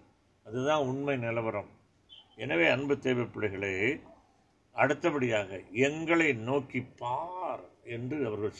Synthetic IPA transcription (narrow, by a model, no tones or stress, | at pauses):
ɐðɯðãːʊɳmɐɪnɪlɐʋɐɾɐm | ɛnɐʋeːɐnbɯt̪ːeːʋɐɪpːɪɭɐɪɣɐɭeː | ɐɽɯt̪ːɐpɐɽɪjaːɣɐɛŋɡɐɭɐɪnoːkːipːaːɾɛndrɯɐʋɐɾɣɐɭ